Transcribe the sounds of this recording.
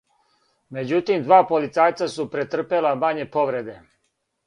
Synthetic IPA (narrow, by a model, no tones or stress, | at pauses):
me̞d͡ʑut̪imd̪ʋaːpolit̪saːjt̪sasupɾet̪r̩pe̞lamaɲe̞po̞ʋɾe̞d̪e̞